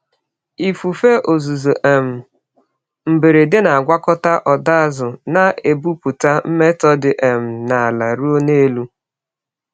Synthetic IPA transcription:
i˨fu˨fe˦ʔo˨zu˨zu˨ʔe˨m̩˨ | m̩˨be˨ɾe˨de˦na˨a˨ɡʷa˦kɔ˦ta˦ʔɔ˨da˦a˦zʊ˨na˨e˨bu˦pu˨ta˦m̩˦me˦tɔ˦dɪ˨ʔe˨m̩˨na˨a˨la˨ɾu˦o˦ne˦lu˦

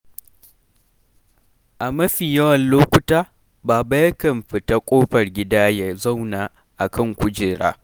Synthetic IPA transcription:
ʔa˨mɐ˦ɸiː˨jɐ˦wɐ˨nloː˦kʷʊ˦taː˦ | baː˨ba˦jɐ˦kɐ˨mɸɪ˨ta˦kʷʼoː˦ɸɐ˨rɡʲɪ˦daː˦ja˨zɐ˦˨wnaː˨ | ʔa˨kʰɐ˦˨ŋkʷʊ˦d͡ʒeː˨ɽa̰ː˦

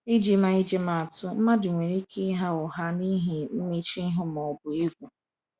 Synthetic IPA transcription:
i˦d͡ʒi˨ma˨i˦d͡ʒi˦ma˨a˨tʊ˦m̩˦ma˦dʊ˨ŋʷe˨ɾi˦kʰi˦ɦa˦ʊ˨ɦa˦ni˦ɦi˨m̩˦me˦t͡ʃi˦ɦʊ˦mɔ˨bʊ˨ɪ˦ɡʷʊ˨

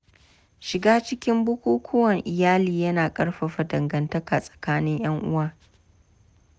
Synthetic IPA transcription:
ʃɪ˨ɡaː˦t͡ʃɪ˦kʲɪ˦mbʊ˦kʷuː˦kʷʰʊ˦wɐ˨ŋʔɪ˨jaː˦liː˨jɐ˦naː˨kʼɐ˦ɽɸɐ˨ɸɐ˨dɐ˨ŋɡɐ˨ntɐ˦ka˨sʼɐ̥˨kaː˦nɪ˦ɲj̰ɐ˦ŋʔʊ˦waː˦

